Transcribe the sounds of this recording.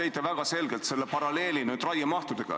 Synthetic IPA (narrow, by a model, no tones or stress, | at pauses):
ejt̪ːˑevæɡ̥ɑse̞lɡe̞lt̪se̞lːepɑɾɑle̞ːlinyːd̪rɑjɑmɑht̪ud̪̥eɡ̥ɑ̰